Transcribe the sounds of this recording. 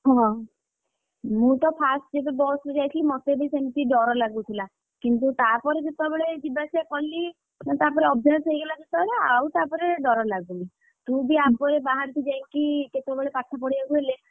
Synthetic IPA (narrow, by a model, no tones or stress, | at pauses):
ɦɔ̃ | mũt̪ɔpʰasʈd͡ʒebebɔsɔd͡ʒajt̪ʰilimɔt̪ebejsemt̪iɖɔɾɔlaɡut̪ʰila | kint̪ut̪apɔɾed͡ʒet̪abeɭed͡ʒibasekɔnli | t̪apɔɾeɔbʱajsejɡelad͡ʒet̪ɔbɽeawt̪apɔɾeɖɔɾɔlaɡuni | t̪ũjbiapɔɾebaɦaɾt̪ʰid͡ʒaŋkiket̪ebeɭepat̪ʰːapɔɽiaɡuɦele